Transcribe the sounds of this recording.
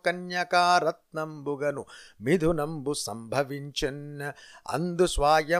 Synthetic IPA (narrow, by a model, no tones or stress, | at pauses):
kɐnjɐkaːɾɐt̪̚nɐmbuɡɐnumid̪ʱunɐmbusɐ̰mbʱɐʋiɲt͡ʃɐnɐɐ̰nd̪usʋaːjɐ